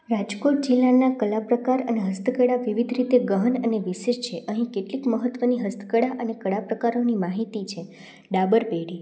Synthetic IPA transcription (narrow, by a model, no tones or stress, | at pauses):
ɾad͡ʒkoʈ̚d͡ʒilːanakəlapɾəkaɾəneɦəst̪əkəɽaʋiʋid̪ʱɾit̪eɡəɦənəneʋiʃed͡ʒt͡ʃʰeʔəɦĩkeʈlikməɦət̪ːʋəniɦəst̪ə̥kəɽaʔənekəɽapɾəkaɾonimaɦit̪it͡ʃʰe | ɖabəɾpeɽi